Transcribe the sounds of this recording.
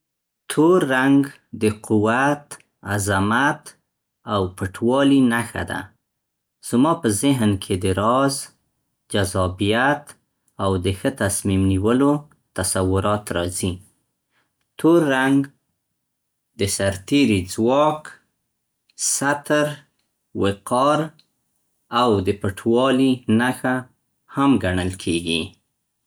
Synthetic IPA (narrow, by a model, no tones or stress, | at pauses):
t̪ʰoɾːaŋɡ | d̪əquwat̪ | azamat̪ | awpəʈwɑlinaxa̰d̪a̰ | z̥mɑpəzɪɦnkʰed̪əɾɑz | d͡ʒazɑbijat̪ | awd̪əxət̪asmimniwəlo | t̪asawʊɾɑt̪ɾɑzi | t̪ʰoɾːaŋɡ | d̪əsaɾt̪eɾid͡zwɑk | sat̪əɾ | wɪqɑɾ | awd̪əpəʈʰwɑlinaxa | hamɡaɳəlkʰeɡi